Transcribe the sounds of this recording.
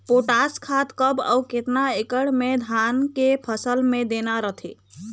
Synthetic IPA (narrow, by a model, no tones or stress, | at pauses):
poʈaskʰat̪kəbə̰wket̪naekəɽmed̪ʱankepʰəsəlmed̪enaɾəɦt̪ʰḛ